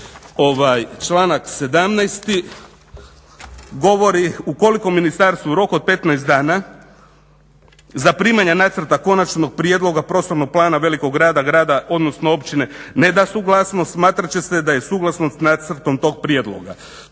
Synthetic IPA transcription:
o̞ʋajt͡ʃlˠaːnakse̞d̪amnɛjst̪i | ɡo̞ʋo̞ɾiuko̞liko̞mːinist̪aɾst̪ʋuɾo̞ko̞d̪̚pe̞t̪najst̪d̪aːna | zapɾiːmaɲenat̪sr̩t̪ako̞nat͡ʃno̞ɡ̚pɾije̞d̪lo̞ɡapɾo̞ːst̪o̞ɾno̞ɡ̚plˠaːnaʋe̞liko̞ɡɡɾaːd̪aɡɾaːd̪ao̞d̪no̞snoo̞pt͡ʃine̞ne̞d̪asuɡlˠasnost̪smaːt̪ɾat͡ɕe̞se̞d̪aje̞suːɡlasno̞st̪nat̪sɾt̪o̞mt̪o̞ːɡ̚pɾied̪lˠo̞̰ɡa̰

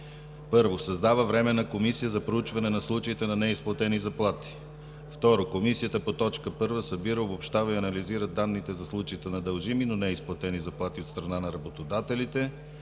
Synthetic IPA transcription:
pɤɾvosɐzd̪avəvɾɛmɛnɐkomisijəzɐpɾout͡ʃvɐnɛnɐslˠut͡ʃəit̪ɛnɐnɛisplˠɐt̪ɛnizɐplˠat̪i̥ | ft̪ɔɾokomisijət̪əpot̪ɔt͡ʃkəpɤɾvəsɐbiɾəobopʃt̪avəiɐnɐliziɾəd̪anːit̪ɛzɐslˠut͡ʃəit̪ɛnɐd̪ɐlˠʒiminonɛisplˠɐt̪ɛnizɐplˠat̪iot̪st̪ɾɐnanɐɾɐbot̪od̪at̪ɛlit̪ɛ

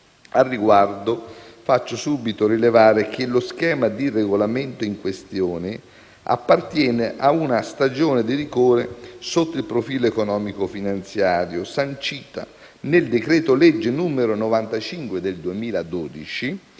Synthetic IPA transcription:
arːiɡward̪ofat͡ʃːosuːbit̪oɾilevaːɾek̟eloskɛːmad̪ireɡolament̪oiŋkwest̪joːnɪ | a̰pːart̪jɛːneʔaunast̪ad͡ʒoːned̪iɾikoːɾesot̪ːoilpɾofiːloekonɔːmikofinant̪sjaːɾjosant͡ʃiːt̪a̰ | neld̪ekɾɛːt̪oled͡ʒːɪnuːmeɾonovant̪at͡ʃiŋkwed̪eld̪uemiːlad̪oːd̪it͡ʃi

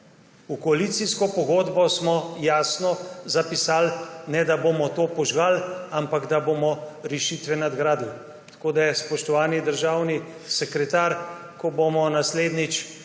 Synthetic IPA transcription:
ukɔalit̪siskɔpɔɡoːd̪bɔsmɔjaːsnɔzapisaːlnɛd̪abomɔt̪oːpɔʒɡalampaɡd̪aboːmɔɾɛʃiːt̪ʋɛnad̪ɡɾaːd̪u | t̪ḁkoːd̪ajɛspɔʃt̪ɔʋaːnid̪əɾʒaːwni | sɛkɾɛt̪aːɾ | kɔbomɔnasleːd̪nit͡ʃ

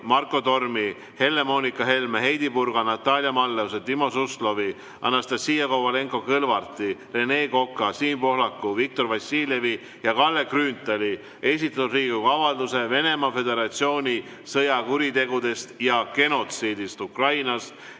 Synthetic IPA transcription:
mɑrkːˑo̞t̪o̞rmi | he̞lːe̞mo̞ːnikːˑɑɦe̞lmeɦe̞jd̪ipurɡ̥ɑnɑt̪ˑːɑlʲjɑmɑlːeus̬et̪imo̞suslo̞vi | ɑ̰nːɑst̪ɑsiːjɑkowɑle̞ŋko̞kɤlvɑrt̪ˑːire̞ne̞ːko̞kːˑɑsiːmpo̞ɦlɑkːuvik̚t̪o̞rvɑsʲiːlje̞vi | jɑkɑlːekryːnt̪ːˑeli | e̞sit̪ːˑɑt̪ːud̪riːkukɑvɑld̪use̞ve̞ne̞mɑfe̞d̪e̞ɾɑt̪sio̞ːnʲi | sɤjɑkuɾit̪e̞ɡud̪e̞st̪jɑke̞no̞t̪siːd̪ist̪ukrɑjnɑs

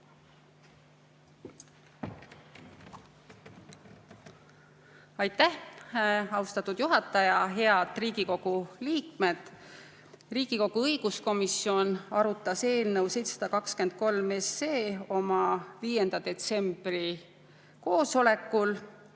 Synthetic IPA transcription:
ɑjt̪ːæh | ɑust̪ɑt̪ːˑud̪̥juɦɑt̪ːˑɑjɑɦe̞ɑd̪̥riːɡ̥iko̞ɡ̥uliːkme̞d̪̥ | riːɡ̥iko̞ɡ̥uɤjɡ̥usko̞misio̞nɑɾut̪ːˑɑse̞ːlnəwse̞jt̪sɑ̥d̪̥ɑkɑkske̞nd̪̥̚ko̞lme̞se̞ːo̞mɑviːje̞nd̪̥ɑd̪e̞t̪se̞mb̥ri | ko̞ːso̞le̞kːˑul

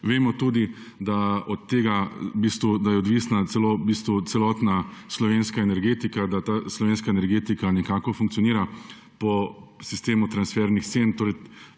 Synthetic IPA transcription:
ʋeːmɔt̪uːd̪i | d̪aɔt̪ːeːɡabiːst̪ʋud̪ajɛɔd̪ʋisnat̪sɛloːbist̪ʋut̪sɛlɔːt̪naslɔʋeːnskaɛnɛɾɡeːt̪ikad̪at̪aːslɔʋeːnskaɛnɛɾɡeːt̪ikanɛkaːkɔfuŋk̚t̪sioɔniːɾa | pɔsist̪eːmut̪ɾansfɛɾnixt̪sent̪oːɾɛj

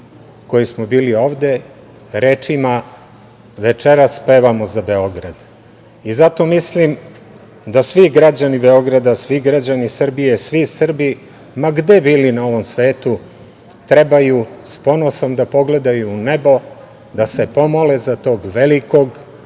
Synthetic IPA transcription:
ko̞jismobiːlio̞ːʋd̪e̞ | ɾe̞ːt͡ʃima | ʋe̞t͡ʃeɾaspe̞ːʋamo̞zabe̞o̞ɡɾad̪ | izat̪o̞mislim | d̪asʋiɡɾad͡ʑanibe̞o̞ɡɾad̪asʋiɡɾad͡ʑanisr̩bije̞sʋisr̩bi | maɡd̪ebiːlinao̞ʋo̞msʋe̞ːt̪u | t̪ɾe̞bajuspo̞no̞so̞md̪apo̞ɡle̞d̪ajuːne̞bo̞ | d̪ase̞po̞molezat̪o̞ːɡʋeliko̞ɡ

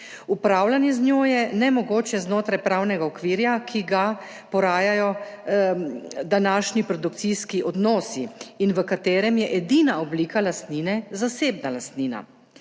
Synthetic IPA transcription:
upɾaːwlanjɛznʲjoːjɛnɛmɔɡoːt͡ʃɛznoːt̪ɾajpɾawnɛɡaɔkʋiːɾjakʰiɡa | pɔɾaːjajɔ | d̪anaʃnipɾɔd̪uk̚t̪siskiʔɔd̪nɔːsiːnʋəkat̪eːɾɛmjɛʔɛd̪inaɔbliːkalast̪ninɛzaseːbnalast̪niːna̰

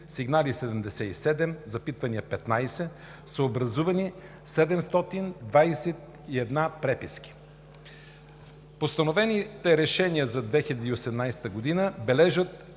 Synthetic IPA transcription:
siɡnalisɛd̪ɛmd̪ɛsɛisɛd̪ɛmzɐpit̪vɐniəpɛt̪najsɛ | səobɾɐzuvɐni | sɛd̪ɛmst̪ɔt̪ind̪vajsɛt̪ | iɛd̪napɾɛpiskʲi̥ | post̪ɐnovɛnit̪ɛɾɛʃɛnijəzɐd̪vɛxilʲɐd̪iːosɛmnajsɛ̥t̪əɡod̪inəbɛlɛʒət̪̚

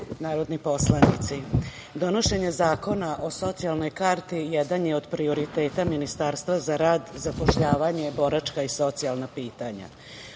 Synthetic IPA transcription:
naːɾo̞d̪nipo̞slˠanḭt̪si | d̪o̞no̞ʃe̞ɲe̞zaːko̞naʔo̞so̞t̪sialno̞jkaɾt̪ijɛd̪anjeo̞d̪pɾio̞ɾit̪e̞ːt̪aminist̪aːɾst̪ʋazaɾaːd̪zapo̞ʃʎaːʋaɲe̞bo̞ɾat͡ʃkaiso̞t̪sialˠnapiːt̪aɲa̰

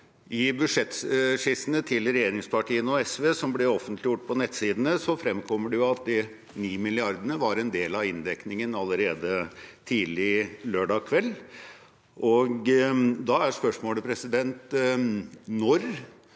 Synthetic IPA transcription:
ʔɪbʉʂɛt̪ʂɪsənət̪ʰɪlɾɛjeːɾɪŋspʰɑʈiːənɔɛsʋeːsɔmblɛɔfːənt̪ʰlɪjʊʈ̚ːpʰɔnɛt̪siːd̪ənəsɔfɾɛmkʰɔmːəɖɛjʊɑt̪̚d̪ɪ | niːmɪlɪɑɾd̪ənəʋɑɾɛnd̪eːlɑɪnd̪ɛknɪŋənɑlːəɾeːd̪ət̪ʰiːlɪløːɖɑːkʰʋɛlː | ʔɔɡd̪ɑæʂpœʂmoːləpʰɾɛsɪd̪ɛnt̪ | nɔɾ

